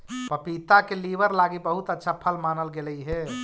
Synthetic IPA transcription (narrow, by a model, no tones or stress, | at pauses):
pəpit̪akeliʋəɾlaɡibəɦut̪ətːʃʰapʰəlmaːnəlɡeləiɦɛ